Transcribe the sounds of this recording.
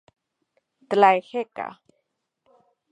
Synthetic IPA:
t̪əlajxeka̰

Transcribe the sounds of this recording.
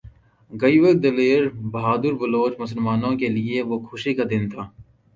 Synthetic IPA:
ɡɐiʋɐɡd̪ɐleːɾbɐɦaːd̪əɾbɐloːt͡ʃmʊsəlmaːnõkelieʋoxʰʊʃikad̪ɪnt̪ʰaː

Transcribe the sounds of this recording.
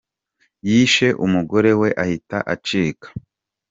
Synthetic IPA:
jiːʃe̞ʔumuɡo̞ɾe̞we̞ʔahitaʔat͡ʃiːkḁ

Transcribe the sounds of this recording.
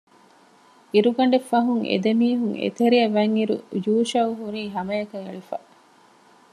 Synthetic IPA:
iɾuɡɐɳɖefːɐɦuŋḛd̪emiːɦuŋḛt̪eɾiɐʋɐŋːiɾṵjuːʃɐuɦuɾiːɦɐmɐjɐkɐŋeɭifɐ̰

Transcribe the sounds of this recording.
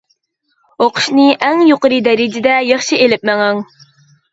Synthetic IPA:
oqʰʊ̥ʃnɨʔæŋjoqəɾɨd̪ɛɾɪd͡ʒɪd̪ɛjɑχʃielɪp̚mɛŋɛŋ

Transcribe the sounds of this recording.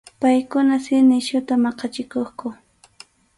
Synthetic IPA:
pajkʊnasɪnɪʃʊt̪amɑqɑt͡ʃɪkoχkʊ

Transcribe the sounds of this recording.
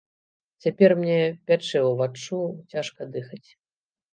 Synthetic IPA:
t͡sʲapʲɛrmnʲɛpʲat͡ʂɛwvat͡ʂːut͡sʲaʂkɐd̪ɨxɐt͡sʲ

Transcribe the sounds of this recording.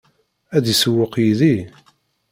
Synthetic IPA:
æðisəwːəqjiði

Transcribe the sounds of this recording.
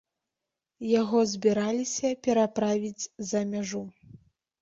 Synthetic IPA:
jaɣɔzʲbʲiɾalʲisʲɐpʲɛɾapɾavʲid͡zʲzɐmʲaʐu

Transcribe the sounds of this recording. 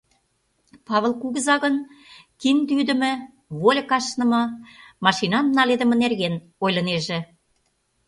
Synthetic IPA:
pɑβəlˠkuɣə̆zɑɣə̆nkind̪yd̪ə̆mɘ̆ | βolʲkɑʃnɤ̆mɤ̆mɑʃinɑnnɑled̪ə̆mə̆nerɣen | ojlɤ̆neʒĕ

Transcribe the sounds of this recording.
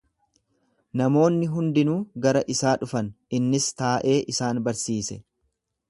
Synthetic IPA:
nɐmo̞ːnːɪɦʊnd̪ɪnuːɡɐɾɐʔɪsaːᶑʊfɐn | ɪnːɪst̪aːʔe̞ːʔɪsaːnbɐɾsiːsɛ

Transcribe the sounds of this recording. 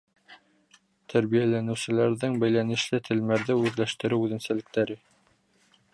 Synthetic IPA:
t̪ʰæɾβijælænɘ̆wsɘ̆læɾðɘŋbæjlænɘ̆ʃlɘt̪ʰɘ̆lmæɾðɘʉðlæʃt̪ɘ̆ɾɘwʉðɘ̆nsælɘ̆k̚t̪æɾɘ

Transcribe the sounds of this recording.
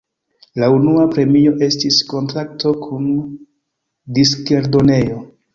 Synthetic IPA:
launuapɾe̞mio̞ʔe̞stisko̞ntɾak̚to̞kʰun | diske̞ɾdone̞jo̞

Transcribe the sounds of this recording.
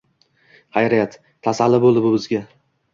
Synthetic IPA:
hajɾijat̪ʰːasalːɪbolˠd̪ɪbʊbɪzɡʲa

